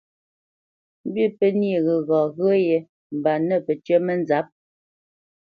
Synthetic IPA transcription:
m̩˦bi˦pɛ˦ni˦˨ɣə˨ɣɔ˨ɣə˦jɛ˨ | m̩˨ba˨nɛ˦˨pɛ˨tɥɛ˦mɛ˦n˦za˨˦p̚

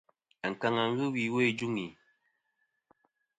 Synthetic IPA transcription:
a˨ŋ̩˨ka˨ŋa˨ŋ̩˦ɣɨ˦wi˨we˦˨d͡ʒu˦ŋi˨

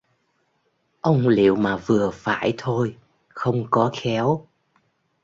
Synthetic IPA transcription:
ʔə˧wŋ͡mlḭ˧˨əwmaː˨˩vɨ˨˩əfa̰ː˧˩˨jt̪ʰo˧j | xə˧wŋ͡mkɔ˨˦xɛ˨˦w

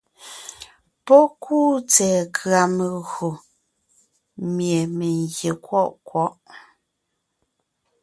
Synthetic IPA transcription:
pɔ˦kʰuː˦˨t͡sɛː˨kʰɰa˨me˨ɣo˨ | mje˨me˨ŋɣje˨kwɔ˦˨ʔkwɔ˦ʔ

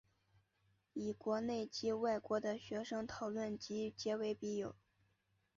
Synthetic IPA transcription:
i˨˩kwɔ˧˥ne˥˩ɪt͡ɕi˥wa˥˩ɪkwɔ˧˥d̪ə˧ɕɥɛ˧˥ʂɤ˥ŋt̪ʰɑ˨˩ʊlwə˥˩nt͡ɕi˧˥t͡ɕjɛ˧˥we˧˥ɪpi˧˥jo˨˩˦ʊ

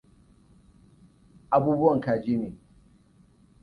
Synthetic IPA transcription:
ʔa˦buː˦bʊ˦wɐ˨ŋkaː˨d͡ʒiː˦neː˨

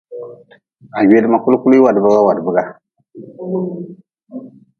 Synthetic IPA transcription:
a˨we˦dɨ˦ma˨ku˦lku˦lu˦i˦wa˨dba˦ɣa˦wa˨dɨ˨bɨ˦ɡa˨

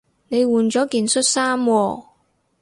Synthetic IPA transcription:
ne˨˧jwuː˨nt͡sɔː˨˥kiː˨nsɵ˥t̚saː˥mwɔː˧

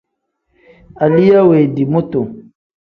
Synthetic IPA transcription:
a˨li˦ja˦we˨di˨mo˦to˨

